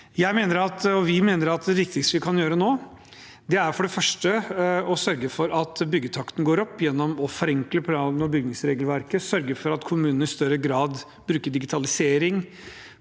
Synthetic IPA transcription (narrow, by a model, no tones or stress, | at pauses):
jæɪmeːnəɾɑt̪ɔʋɪmeːnəɾɑt̪̚d̪ɛʋɪk̚t̪ɪkst̪əʋɪkʰɑnjøːɾənoː | d̪ɛæɾfɔɖɛfœʂʈəɔsœɾɡəfɔɾɑt̪bʏɡːət̪ʰɑkt̪n̩ɡoːɾɔpːjɛnːɔmɔfɔɾɛŋkləpʰlɑnɔbʏɡnɪŋsɾeːɡəlʋæɾkəsœɾɡəɾfɔɾɑt̪kʰʊmʉːnənəɪst̪œɾəɡɾɑːd̪ | bɾʉːkəɖɪɡɪt̪ʰɑlɪseːɾɪŋ